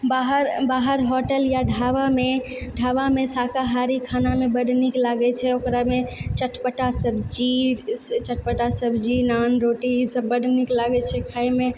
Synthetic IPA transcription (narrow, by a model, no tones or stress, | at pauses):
baɦəɾbaɦəɾɦoʈəljaɖʱaʋame | ɖʱaʋamesakaɦaɾikʰanamebəɖʱniklaɡɛt͡ʃʰɛokɾamet͡ʃəʈʰpəʈasəbʱd͡ʒit͡ʃəʈ̚ʰpəʈasəbʱd͡ʒinanɾoʈisəbːəɖʱniklaɡɛt͡ʃʰɛkʰajme